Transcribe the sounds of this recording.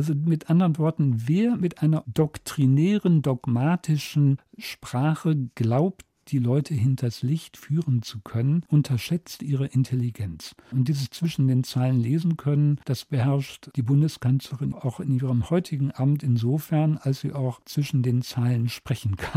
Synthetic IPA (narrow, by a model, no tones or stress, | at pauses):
ʔlzomɪtʔandəʁənvɔɐtn̩veːɐmɪtʔaɪnɐdɔktʁ̥inɛːʁəndɔɡmaːtʰɪʃn̩ | ʃpʁ̥aːχəɡ̥laʊpt | d̥iːlɔʏtʰəɦɪntʰɐslɪçtfyːʁənt͡sukʰœnənʔʊntʰɐʃɛt͡stʔiːʁ̞əʔɪntʰɛliɡɛnt͡sʔʊnt̚d̥iːzit͡sv̥ɪʃn̩deːnt͡saɪlənleːzn̩kʰœnənd̥asb̥əhɛɐʃtd̥iːbʊndəskʰanslɐʁɪnʔaʊxɪnʔiːʁəmhɔʏtʰɪɡŋ̩ʔabm̩tɪnzoːfɛɐnalsz̥ḭːʔaʊxt͡sv̥ɪʃn̩deːnt͡saɪlənʃpʁ̥ɛçn̩kʰan